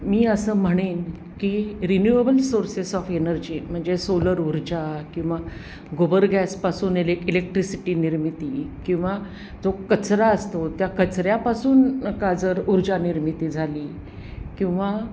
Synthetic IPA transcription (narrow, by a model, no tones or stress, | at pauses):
miːəsəːm̤əɽ̃iːn | kiɾinjuebəlsoɾsesɔfenəɾd͡ʑiːm̤əɳd͡zesoləɾuɾd͡ʑakĩw̃ʋa | ɡobəɾɡɛspasuːnelekilek̚ʈɾisiʈiːniɾmit̪ikĩw̃ʋa | d͡zokət͡sɾaəst̪ot̪jakət͡sɾjapasuːnkad͡zəɾuɾd͡ʑaniɾmit̪iːd͡zʱaliː | kĩw̃ʋa